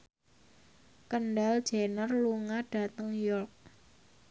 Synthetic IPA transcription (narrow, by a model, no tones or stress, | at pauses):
kənɖald̥ʒ̥e̤nərluŋaɖ̥ä̤t̪əŋjɔrk̚